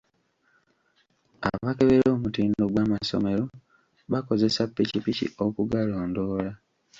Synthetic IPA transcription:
a̰βake̞βeɾo̞ːmutiːndo̞ɡwaːmaso̞̰me̞ɾo̞ | βako̞ze̞sapːicipicḭo̞kuɡaloːndo̞ːla

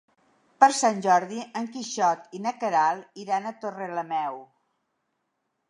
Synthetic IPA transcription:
pəɾsanʲʒɔɾðiʔəŋkiʃɔt̪inəkəɾalˠiɾanət̪oreləmɛw

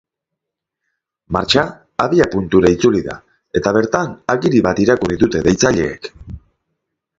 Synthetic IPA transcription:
maɾt͡ʃaː | βiapunt̪uɾait͡suliða̰ | e̞t̪aβ̞e̞ɾt̪anaɣiɾiβat̪iɾakuriðut̪e̞ðe̞jt͡saʎe̞̰ːk

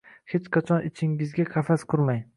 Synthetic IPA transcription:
het͡ʃqʰat͡ʃʰɒnɪt͡ʃʰɪŋɪzɡʲaqʰafasqʰʊɾmaj

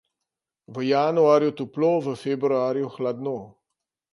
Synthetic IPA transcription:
ʋəjanuaːɾjɔt̪uploːʋəfebɾuaːɾijuxlad̪no

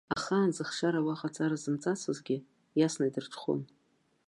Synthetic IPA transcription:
aχaːnzɨχʂaɾawaχat͡sʼaɾazɨmt͡sʼat͡sʰɨzɡʲɪ | jasnaidɨrʈ͡ʂʷʰχṵn

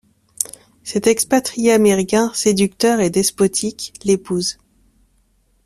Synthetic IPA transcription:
sɛt̪ɛkspat̪χijeameʁikʲɛ̃sed̪yk̚t̪œʁed̪ɛspɔt̪ʰiklepuːz

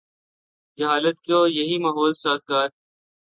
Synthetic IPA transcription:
d͡ʒɐɦaːlət̪̚koːjɐɦiːmaːɦoːlsaːzɡaːɾ

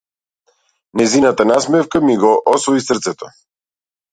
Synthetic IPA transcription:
nɛzinat̪anasmɛfkamiɡɔʔɔsvɔisər̩t̪sɛt̪ɔ

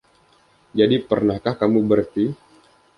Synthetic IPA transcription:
d͡ʒadipərnahkahkamubərt̪i

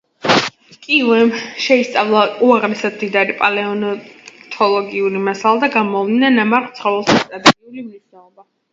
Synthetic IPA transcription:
kʼiuɛmʃɛist̪sʼavlˠauaʁnɛsad̪md̪id̪aɾipʼalɛɔnɔt̪ʰɔlˠɔɡiulimasalˠad̪aɡamɔvlinanamaɾχt̪sʰχɔvɛlˠʃit̪ʼad̪amiulimniʃnɛɔba

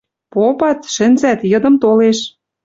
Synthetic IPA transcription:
popɑt̪ʃə̆nzæt̪jɤ̆d̪ɤ̆mt̪oleʃ

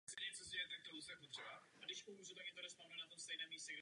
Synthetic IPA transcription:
sɛɲɛt͡sozɟɛjɛt̪ɛk̚t̪olust̪ɛɛpot̪r̥ɛbaʔadɪʃpomuʒut̪akɪnt̪odɛspaːmɛnat̪omst̪ɛjnɛːmiːscɛɡɾ

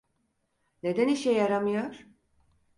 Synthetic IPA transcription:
ne̞d̪æniʃejaɾamɯjoɾ̥

